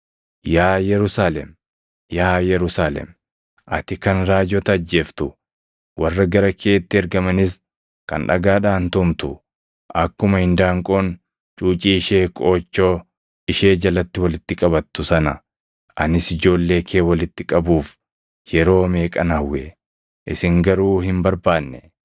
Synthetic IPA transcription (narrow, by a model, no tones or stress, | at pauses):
jaːjɛɾʊsaːlɛ̰m | jaːjɛɾʊsaːlɛ̰m | ʔɐ̰t̪ɪkɐnɾaːd͡ʒɔt̪ɐːd͡ʒːe̞ːft̪ʊ | wʔɐrːɐɡɐɾɐkʰeːt̪ːɪɛɾɡɐmɐnɪs | kɐ̰nᶑɐ̰ɡaːᶑaːnt̪ʊmt̪ʊ | ʔɐkːʊmɐhɪnd̪aːŋkʼo̞ːn | t͡ʃʼuːt͡ʃʼiːɪʃe̞ːkʼo̞ːt͡ʃːo̞ː | ɪʃe̞ːd͡ʒɐlɐt̪ːɪwɐlɪt̪ːɪkʼɐbɐt̪ːʊsɐnɐ | ʔɐnɪsɪd͡ʒo̞ːlːe̞ːkʰe̞ːwɐlɪt̪ːɪkʼɐbuːf | jɛɾo̞ːme̞ːkʼɐnɐwːe | ʔɪsɪŋɡɐɾuːhɪmbɐɾbaːnːɛ